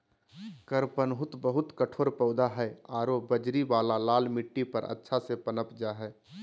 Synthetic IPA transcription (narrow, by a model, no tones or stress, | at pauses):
kəɾpənɦʊt̪bəɦʊt̪kəʈʰoːɾpəʊd̪aɦɛaːɾobəd͡ʒɾibaːlalaːlmiʈːipəɾʔə̰tːʃʰasepənəpd͡ʒaɦɛː